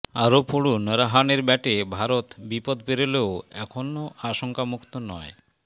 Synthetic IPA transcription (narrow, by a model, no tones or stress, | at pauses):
aɾopoɽunɾaɦaneɾbɛʈebʱaɾot̪bipod̪peɾeleoɛkʰonːoʔaʃoŋkamukt̪onɔ̰e